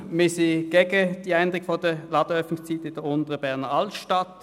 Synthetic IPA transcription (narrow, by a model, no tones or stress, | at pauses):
mɪsiɡ̥eɡəd̥iːaɪndʁɪkfod̥əlɑːd̥əœfnɪŋst͡siːtɪd̥əʊntəʁəbɛɐʁnəɑltʃtɑt